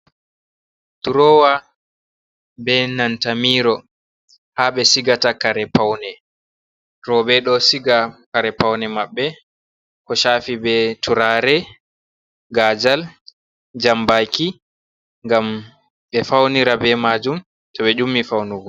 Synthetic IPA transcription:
tuɾɔːwa | bɛnantamiːɾɔ | haɓɛsiɡatakaɾɛpawnɛ | ɾɔbɛɗɔsiɡakaɾɛpawnɛmaɓːɛ | kɔʃaːfibɛtʰuɾaɾɛ | ɡaːd͡ʒal | d͡ʒambaki | ŋɡam | ɓɛfawniɾabɛmaːd͡ʒum | tɔɓɛd͡ʒumːifawnuɡɔ

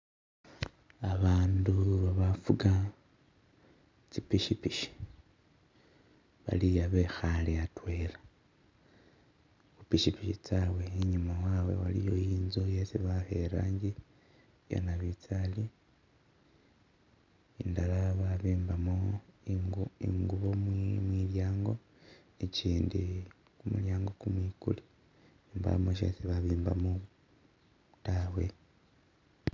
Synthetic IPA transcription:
aβaːnduβaβafuɡa | t͡sipiʃipiʃi̥ | βa̰lijaβe̞xaliatwe̞ːɾa | kupiʃipiʃit͡saweiɲumawaːwe̞̰walḭjo̞jiːnzojesiβaheɾaːɲɟi | ja̰naβit͡sali | indalaβaβiːmbamo | ḭŋɡuβomwmwiːljaːŋɡo̞ | eciːndi | kumuljaːŋɡo̞kumwiːkṵli | imba̰moʃḛsiβaβiːmba̰mo | tawe̞

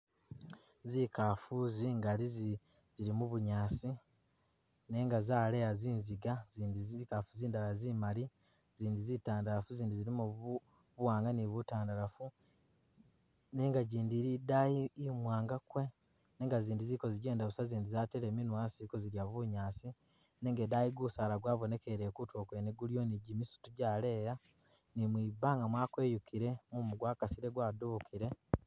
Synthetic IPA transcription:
zikafuziŋɡalizi | ziɾimuβuɲaːsi | ne̞ːŋɡazaːleaziːnziɡaziːndizikafuziːndalazimali | ziːndizitaːndalafuziːndiziɾimu | βuwaːŋɡaniβutaːndalafu | ne̞ːŋɡaɟiːndiɾidaimwaːŋɡakwe̞ | neːŋɡaziːndiziko̞ziɟe̞ːndaβusaziːndizaːteɾeːminwaːsizikoziɾjaβuɲaːsi | neːŋɡedajiɡusaːlaɡwaːβo̞ne̞ke̞ɾeːkutʰwoːkwe̞neɡuljo̞niɟimisu̥tuɟaːle̞ːja | nimwibaːŋɡamwaːkwe̞ːjukʰiɾe̞mumuɡwaːkasiɾe̞ɡwaːduβukʰiɾe̞

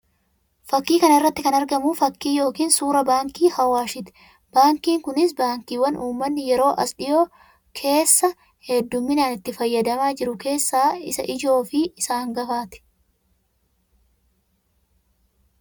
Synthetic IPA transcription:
fɐkːiːkɐnɪrːɐt̪ːɪkɐnɐɾɡɐmʊfɐkːiːjo̞ːkiːnsuːɾɐbaːŋkiːhɐwaːʃɪt̪ɛ̥ | b̥aːŋkiːŋkʊnɪsbaːŋkiːwɐnʔuːmːɐnːɪjɛɾo̞ːʔɐsᶑɪjoː | kʰe̞ːsːɐ | hɛd̪ːʊmːɪnaːnɪt̪ːɪfɐjːɐd̪ɐmaːd͡ʒɪɾʊke̞ːsːaːɪsɐ̰ʔɪd͡ʒo̞ːfɪɪsaːŋɡɐfaːt̪ɛ̥

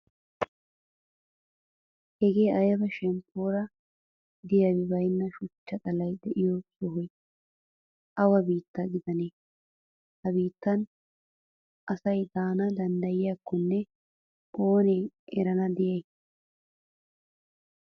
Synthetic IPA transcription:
hɛɡeːʔɐjɐbɐʃɛmpːoːɾɐ | d̪ɪjadɪbɐjnːɐʃʊt͡ʃːɐt̪ʼɐlɐjd̪ɛʔɪjosʼʊhʊj | ʔɐwɐbiːt̪ːɐɡɪd̪ɐneː | hɐbiːt̪ːɐn | ʔɐsɐjd̪aːnɐd̪ɐnd̪ɐjɪjaːkːɔnːɛ | ʔoːneːʔɛɾɐnɐd̪ɪjɐj

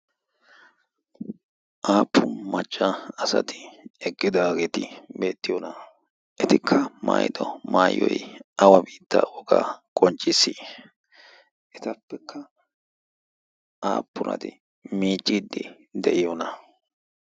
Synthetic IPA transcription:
ʔaːpʰːʊmɐt͡ʃʼːaɐsɐ̰t̪ɪ̥ɛɡːɪd̪aːɡeːt̪ɪbe̞ːt̪ːɪjɔnɐ | ʔɛt̪ɪkʰːɐma̰ːjɪd̪ɔmaːjːɔ̰jʔɐwɐbiːt̪ːɐɔɡa̰kʼɔnt͡ʃʼɪsːi | ʔɛt̪ɐpːɛkʰːɐ | ʔa̰ːpːʊnɐ̰t̪ɪ | miːt͡ʃʼːiːd̪ːɪ | d̪ɛʔɪjɔnɐ

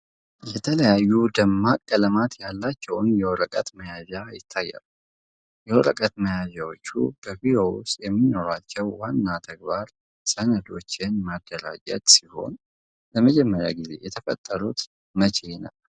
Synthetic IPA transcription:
jɛt̪ʰələjajːud̪əmːakʼːələmat̪jalːat͡ʃːɛwʊnjɛwɔɾəkʼət̪məjazajɪt̪ʰːajːa̰lu | jɛwɔɾəkʼət̪məjazawot͡ʃːṵbəvioṵsʼjɛmːino̞ɾat͡ʃːɛwːanːat̪ʰəɡ̚baɾ | sʼənəd̪o̞t͡ʃːɪnmad̪ːəɾa̰d͡ʒə̰t̪ʼsiho̞̰n | ləməd͡ʒɛmːəɾja̰ɡize̞̰jɛt̪ʰəfə̰t̪ʼːəɾut̪ | mət͡ʃʼe̞nə̰w

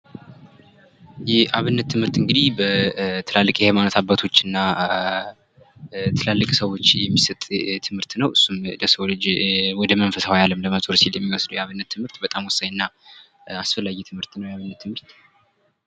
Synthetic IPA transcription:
jɛaβɨnːət̪ːɨmhɨɾt̪ɨŋɡɨd̪ihbət̪ʰɨlalːɨkʼjɛhajmanət̪ʰabːat̪ʰo̞t͡ʃːɨnːa | t̪ʰɨlalːɨkʼsəwo̞t͡ʃːjɛmːisət̪ʼt̪ʰɨmhɨɾt̪nəwɨsːumləsəwlɨd͡ʒwɔd̪əməɱfəsawajaləmləməzʼoɾsiljɛmːiwɔsd̪uwjɛaβɨnːət̪ʰːɨmhɨɾt̪bət̪ʼamwɔsːaɲɨnːa | asfəlːaɡɛt̪ʰɨmhɨɾt̪nəwjɛaβɨnːət̪ʰːɨmɨɾt̪

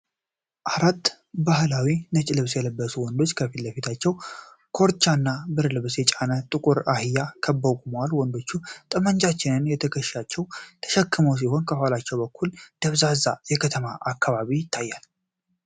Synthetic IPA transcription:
ʔaɾat̪ː | baɦlawinət͡ʃʼɪlɨβsjɛləbːəsuwɔnd̪o̞t͡ʃːkʰəfiləfit̪ʰat͡ʃːɛw | kʰo̞ɾt͡ʃːanːabɨɾlɨβsjɛt͡ʃʼanət̪ʼɨkʼuɾahɨjːakʰəbːəkʼuməwalwɔnd̪o̞t͡ʃːut̪ʼɨmənd͡ʒat͡ʃːɪnɨnjɛt̪ʰəkʰəʃat͡ʃːɛwt̪ʰə̥ʃɛkːɨməws̬iho̞nkʰəalat͡ʃːɛwbəkːuld̪̥əβzazajɛkʰət̪ʰəmaʔakːaβaβijɪt̪ʰːajːal

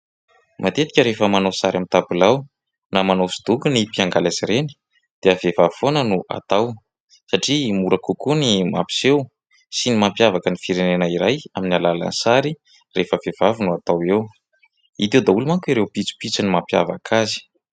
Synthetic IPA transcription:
mʔat̪et̪i̥kʲəɾefəmanowsaɾamit̪abulaw | namanosi̥d̪̥ukunipiaŋɡalaziɾeni̥ | d̪̥eavevavi̥fonənuʔa̰t̪aw | saʈ͡ʂimuɾakukunima̰pi̥sew | sinimampjavakənifiɾenenəiɾajaminialala̰nisaɾi | refəvev̥avinuat̪awew | it̪̬ewd̪aulumaŋkiɾewpit͡su̥pit͡sinimampja̰va̰kʰazi̥

